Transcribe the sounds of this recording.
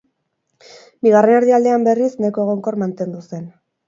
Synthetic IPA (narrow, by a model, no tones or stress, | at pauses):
biɣ̞arenaɾðeald̪eambe̞risnajko̞eɣ̞o̞ŋko̞ɾmant̪e̞nd̪use̞n